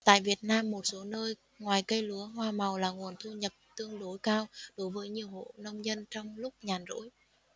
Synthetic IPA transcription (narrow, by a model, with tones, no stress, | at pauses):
t̪a̰ː˧˨jvi˨˩ət̚naː˧mːo˨˩t̚so˨˦nəː˧j | ŋwaː˨˩jkə˧jlu˨˦əɦwaː˧ma˨˩wlaː˨˩ŋu˨˩ənt̪ʰu˧ɲə˨˩p̚t̪ɨ˧əŋɗo˨˦jkaː˧wɗo˨˦jvəː˨˦jɲi˨˩əwho̰˧˨nə˧wŋ͡mzə˧nt͡ɕɔ˧wŋ͡mlʊ˦˥k͡p̚ɲaː˨˩nzo̰˧˥j